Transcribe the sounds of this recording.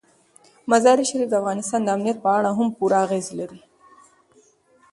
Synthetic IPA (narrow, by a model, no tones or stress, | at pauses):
mazɑɾiʃaɾifd̪əafɣɑnɪst̪ɑnd̪əamnijat̪̚pəaɽaɦʊmpuɾaːɣezlaɾi